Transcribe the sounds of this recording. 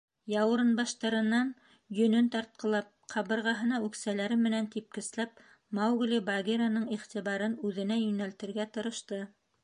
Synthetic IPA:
jɑwɾɤ̆nbɑʃt̪ɑɾɤ̆nːɑn | jɵ̆nɵnt̪ɑɾt̪̚qɤ̆lˠɑp̚qʰɑβɤ̆ɾʁɑɦɤ̆nɑʉksælæɾɘmɘ̆nænt̪ip̚kɘ̆slæp̚ | mɑwɡlʲibɑɡʲeɾanɤɴiχt̪iβɑɾɤnʉðɘ̆næjɵ̆nælt̪ɘ̆ɾɡæt̪ɤ̆ɾɤ̆ʃt̪ɤ

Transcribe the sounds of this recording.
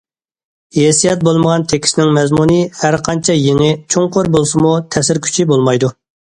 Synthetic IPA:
jesijɛt̪̚bolˠməʁɑnt̪ʰekʲʰi̥sɪnɪŋmɛzmunɨhæɾqʰɑnt͡ʃʰɛjeŋɪt͡ʃʰoŋqʰoɾbolˠsɨmut̪ʰɛsɪɾkʲʰy̥t͡ʃʰibolˠmɑjd̪u

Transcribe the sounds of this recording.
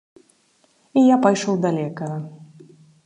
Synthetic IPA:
ijapajʂɔwd̪alʲɛjkɐɣɐ

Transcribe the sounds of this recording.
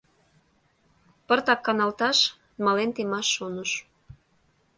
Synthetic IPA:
pə̆rt̪ɑkːɑnɑlt̪ɑʃ | mɑlent̪emɑʃːonəʃ

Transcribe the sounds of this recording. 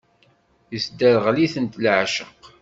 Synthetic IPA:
jəsd̪æɾəʁliθənt̪lʕʃəq

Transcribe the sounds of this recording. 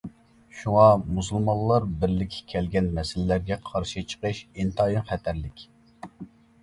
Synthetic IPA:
ʃuŋɑmusulˠmɑllˠːɑɾbɪɾlɪkʲʰːɛ̥kʲʰɛlɡʲɛnmɛsɪlɪlæɾɡʲɛqʰɑɾʃit͡ʃʰə̥qɨʃint̪ʰɑːjimχɛt̪ʰæɾlɪkʲ

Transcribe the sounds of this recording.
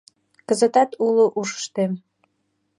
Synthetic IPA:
kəzə̆t̪ɑt̪uloʔuʃə̥ʃt̪em

